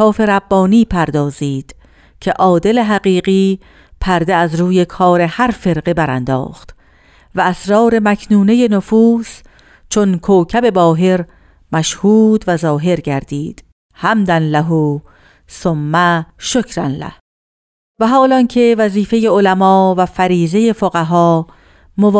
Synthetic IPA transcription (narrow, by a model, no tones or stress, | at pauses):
ɒːfe̞ɾæbːɒːniːpʰæɾd̪ɒːziːd̪̥ | cʰe̞ʔɒːd̪e̞le̞ɦæɣiːɢiː | pʰæɾd̪e̞æzɾuːje̞kʰɒːɾe̞hæɾfe̞ɾɢe̞bæɾænd̪ɒ̰ːχt̪ | væːsɾɒːɾe̞mækʰnuːne̞je̞nofuːs | t͡ʃʰonkʰoːcʰæbe̞bɒːɦe̞ɾ | mæʃhuːd̪væzɒːɦe̞ɾɟæɾd̪iːd̪̥ | hæmd̪ænlæɦu | somːæʃocʰɾænlæ̰h | væɦɒːlɒncʰe̞væziːfe̞je̞olæmɒːvæfæɾiːzeje̞foɣæɦɒː | movː